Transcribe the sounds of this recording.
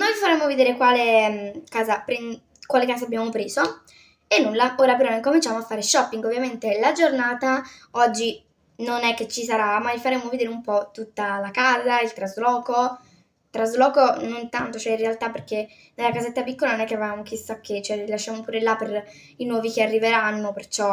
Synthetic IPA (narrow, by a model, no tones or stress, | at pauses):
nojfaɾemːoved̪eːɾekwaːlekaːzapɾi | kwaːlekaːzabjaːmopɾeːzo | enːulːaʔoːɾapeɾɔiŋkomint͡ʃaːmoafːaːɾeʃɔpːiŋɡovːjament̪elad͡ʒornaːt̪aɔd͡ʒːi | nonɛkːet͡ʃːisaɾamaifaɾemːoved̪eːɾeumpɔt̪ut̪ːalakaːzailt̪ɾazlɔːko | t̪ɾazlɔːkonont̪ant̪ot͡ʃoɛinrealt̪apːerke | nelːakazet̪ːapikːolanonɛkːeavaːmok̟isakʰːet͡ʃoɛilaʃːaːmopuːɾelːaper | inwɔːvikearːiveɾanːopert͡ʃɔ